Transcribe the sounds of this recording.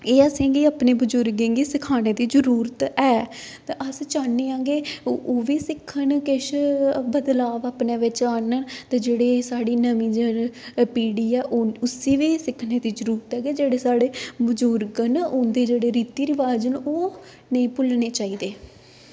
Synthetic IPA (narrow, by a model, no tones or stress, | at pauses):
eːəsẽːɡiːaːpneːbəd͡ʒʊɾɡẽːŋɡiːsɪkʰaːneːd̪iːd͡ʒəɾuːɾt̪ɛːt̪eʔəst͡ʃaːneːãːŋɡeːoːʋiːsɪkʰːənkɪʃbəd̪laːʋaːpneːʋɪt͡ʃaːnənt̪eːd͡ʒeːɽeːsaːɽiːnəmĩːd͡ʒəpiːɽiːɛːʔoʊsiːʋiːsɪkʰːneːd̪iːd͡ʒəɾuːɾt̪ɛːɡeːd͡ʒeːɽeːsaːɽeːbəd͡ʒʊɾɡənʊ̃nd̪eːd͡ʒeːɽeːɾiːt̪iːɾɪʋaːd͡ʒənoː | nəĩːpʊlneːt͡ʃaːiːd̪eː